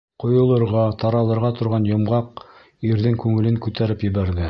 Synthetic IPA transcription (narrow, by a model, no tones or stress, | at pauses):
qŏjŏlˠɤ̆ɾʁɑt̪ɑɾɑlˠɤ̆ɾʁɑt̪ŏɾʁɑnjŏmʁɑq | iɾðɘŋkʉŋɘ̆lɘŋkʉt̪æɾɘpjɘ̆βæɾðɘ